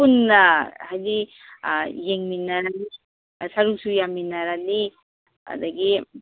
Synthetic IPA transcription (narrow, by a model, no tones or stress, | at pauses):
unhajli | jeŋminaɾali | saɾuk̚sujaminaɾali | a̰d̪aɡi